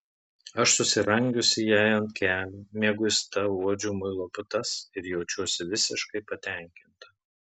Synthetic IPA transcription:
ɐʃsʊsʲɪɾɐŋʲɡʲʊsʲɪjæjɐnt̪kʲæːlʲumʲiɛɡʊɪst̪ɐuɔd͡ʒʲʊːmʊɪlˠoːpʊt̪ɐsɪɾjɛʊt͡ʃʲuɔsʲɪʋʲɪsʲɪʃkɐɪpɐt̪ʲæˑŋʲkʲɪnt̪ɐ

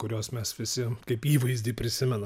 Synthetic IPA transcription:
kʊɾʲoːsmʲɛsʋʲɪsʲɪkɐɪpiːʋɐɪzʲdʲiːpʲɾʲɪsʲɪmʲɛn

